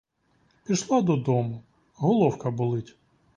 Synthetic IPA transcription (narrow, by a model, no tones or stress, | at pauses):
pʲiʃlˠad̪ɔd̪ɔmʊ | ɦɔlˠɔwkɐbʊlˠɪtʲ